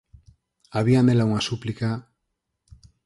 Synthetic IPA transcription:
aβiamelauŋasuplika

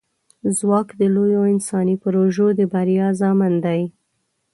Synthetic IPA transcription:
zwɑkd̪əlojoɪnsɑnipəɾoʒod̪əbaɾjɑzɑmənd̪aj

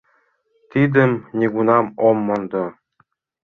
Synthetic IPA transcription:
t̪id̪ɘ̆mnʲeɡunɑmomːɤ̆nd̪ɤ̆

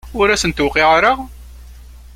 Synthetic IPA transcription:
ʊɾæsənt̪uqɪʁɾəʁ

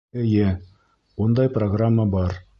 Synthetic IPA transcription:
ɘ̆jɘ | und̪ɑjproɡramːəbɑɾ

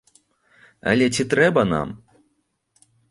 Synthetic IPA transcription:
ɐ̰lʲɛt͡sʲit̪ɾɛbɐna̰m

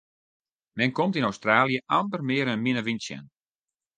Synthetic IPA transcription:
mɛnkomtinowstraːlˠjəʔandərmɪəɾənminəʋinsjɛ̰n

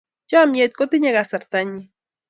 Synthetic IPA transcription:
t͡ʃamjat̪̚kot̪ɪɲaɡasaɾt̪aɲi

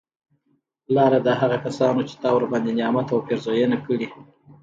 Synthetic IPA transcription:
lɑɾad̪əɦaɣakasɑnot͡ʃe̥t̪ɑwɾbɑnd̪enjɑmat̪awpeɾzojənakəɽi

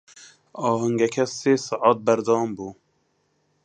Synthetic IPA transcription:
ɑːɦɛŋɡɛkʰɛseːsɑʔɑːt̪̚bɛɾd̪ɑːmbuː

